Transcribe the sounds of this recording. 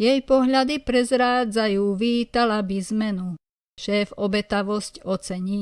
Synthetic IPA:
jɛjpɔɦʎad̪ipɾɛzɾaːd͡zajuːʋiːt̪alabizmɛnu | ʃɛːfɔbɛt̪aʋɔscɔt͡sɛɲiː

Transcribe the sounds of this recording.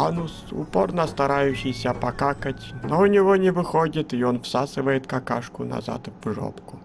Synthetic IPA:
anusʊ̰po̞̰rnəst̪ɐɾajʉɕːɪjsʲəpɐkakətʲnoʊnʲɪvonʲɪvɨxodʲɪt̪ɪonfsasɨvəjɪt̪kɐkaʂkʊnɐ̰za̰t̪vʐo̰pkʊ

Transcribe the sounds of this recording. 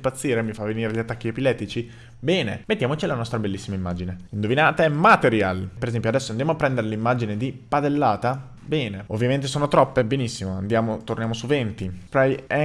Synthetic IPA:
pat̪sːiːɾemifavːeniːɾeʎat̪ːakːiepilɛt̪ːit͡ʃi | bɛːnḛmet̪ːjaːmot͡ʃilanɔst̪ɾabelːisːimaimːaːd͡ʒineind̪ovinaːt̪aɛmat̪eɾjalpeɾezɛmpjoad̪ɛsːoand̪jamoapːɾɛnd̪eɾelimːad͡ʒined̪ipad̪elːaːt̪a | bɛːneovːjament̪esoːnot̪ɾɔpːebenisːimoand̪jaːmot̪ornjamosuvent̪ipɾajɛ

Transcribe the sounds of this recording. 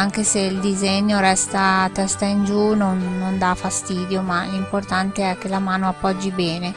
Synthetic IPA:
aŋk̟eseild̪izeɲːoɾɛst̪at̪ɛst̪aind͡ʒunonːond̪afast̪iːd̪jomalimport̪ant̪eɛk̟ːelamaːnoapːɔd͡ʒːibɛːne

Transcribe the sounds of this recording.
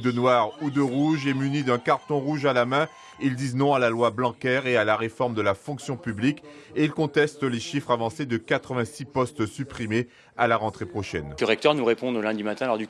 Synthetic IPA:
d̪ənwaʁud̪əʁuʒɛmynid̪ɛ̃kaʁt̪ɔ̃ʁuʒalamɛ̃ | ild̪iznɔ̃alalwablɑ̃kɛʁealaʁefɔʁmd̪əlafɔ̃ksjɔ̃pyblikeilkɔ̃t̪ɛst̪leʃifχavɑ̃sed̪əkat̪χəvɛ̃sipɔst̪sypχime | alaʁɑ̃t̪χepχɔʃɛ̰nəʁɛk̚t̪œʁnuʁepɔ̃d̪lɛ̃d̪imat̪ɛ̃lɔʁd̪y

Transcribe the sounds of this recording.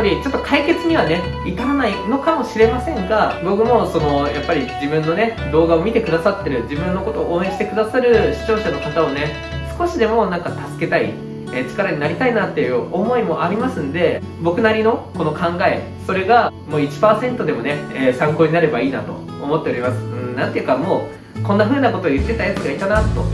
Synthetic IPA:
ɾʲit͡ɕo̞t̪ːo̞kʰaike̞t͡sɨɲ̟iβ̞ane̞ | it̪amonaino̞kamo̞ɕiɾe̞masẽ̞ŋɡabo̞kɯ̟mo̞so̞no̞japːaɾʲid͡ʑibɯ̟̃nːo̞ne̞d̪o̞ːɡao̞mʲit̪e̞kɯ̟d̪asat̪ːe̞ɾɯ̟d͡ʑibɯ̟̃nːo̞ko̞t̪o̞ːʔoːẽ̞ɕi̥t̪e̞kɯ̟d̪asaɾɯ̟ɕi̥t͡ɕo̞ːɕano̞kat̪ao̞ne̞ | sɨ̥ko̞ɕid̪e̞mo̞nãŋkat̪asɨ̥ke̞t̪aḭ | eːt͡ɕi̥kaɾaɲ̟inaɾʲit̪ainat̪ːe̞jɯ̟o̞mo̞imo̞ʔaɾʲimasɨ̃nd̪e̞ | bo̞kɯ̟naɾʲino̞ko̞no̞kãŋɡae̞ | so̞ɾe̞ɡamo̞ːit͡ɕi̥paːsẽ̞nt̪o̞d̪e̞mo̞ne̞eːsãŋkoːɲ̟inaɾe̞baiːnat̪o̞̰ːmo̞t̪ːe̞o̞ɾʲimasɨ̥ɯ̃nãnt̪e̞iɯ̟kamo̞ː | kõ̞nːaɸɯ̟ːnako̞t̪o̞ːjɯ̟t̪ːe̞t̪ajat͡sɨɡait̪anat̪ːo̞̰

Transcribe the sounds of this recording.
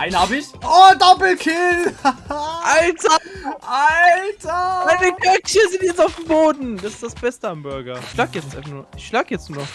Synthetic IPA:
ʔaɪnhaːbɪçodɔpl̩kʰɪl | ʔaltɐʔaltʰamaɪnəɡœkçəzɪntjɛt͡staʊfd̥emboːdn̩d̥asɪ̥sd̥asb̥ɛstəambʏɐɡɐɪçʃlaːɡəjɛt͡stʔaɪfaχnːoɪçʃlaːɡəjɛt͡stnuːnɔχ

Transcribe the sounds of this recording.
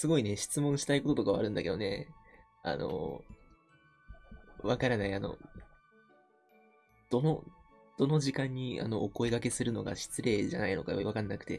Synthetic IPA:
sɨɡo̞ine̞ɕi̥t͡sɨmõ̞ɰ̃ɕi̥t̪aiko̞t̪o̞t̪o̞kaβa̰ɾɯ̟̃nd̪ake̞d̪o̞ne̞ | a̰no̞̰ | βakaɾanaiano̞̰ | d̪̥o̞no̞ | d̪̥o̞no̞ʑikãɲ̟ːia̰no̞ʔoko̞iɡake̞sɨɾɯ̟no̞ɡa̰ɕi̥t͡sɨɾe̞ːʑanaino̞̰ka̰joiβakanːakɯ̟̥t̪e̞̰

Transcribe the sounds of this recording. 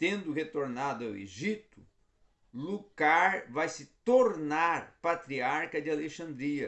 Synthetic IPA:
t̪ẽnd̪ʊhet̪oɾnad̪ʊɐwḛʒit̪ʊ̥ | lukaɾvajsɪt̪oɾnaɾpat̪ɾiaɾkɐd͡ʒ̪ɪaleʃɐ̃nd̪ɾiɐ

